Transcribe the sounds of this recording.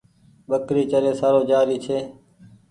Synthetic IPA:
ɓəkɾiːt͡ʃəɾeːsaːɾoːd͡ʒaːɾiːt͡ʃʰeː

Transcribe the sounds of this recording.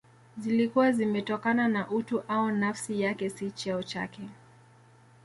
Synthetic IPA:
zilikuwazimɛtɔkananaʔutuʔaɔnafsijakɛsit͡ʃɛɔt͡ʃa̰kɛ

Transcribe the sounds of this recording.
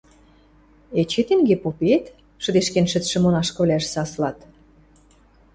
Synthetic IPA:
et͡ɕet̪eŋɡepopet̪ | ʃə̆d̪eʃkenʃɘ̆t̪ʃɘ̆monɑʃkɤ̆βlʲæʃsɑslɑt̪

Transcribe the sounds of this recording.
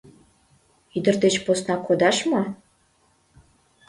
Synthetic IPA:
id̪ə̆rt̪et͡ɕposnɑkʰod̪ɑʃmo

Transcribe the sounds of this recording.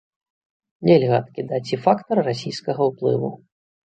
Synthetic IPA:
nʲelʲɣɐɐt̪kʲid̪at͡sʲifakt̪ɐrːasʲijskɐɣɐwplˠɨ̰vṵ

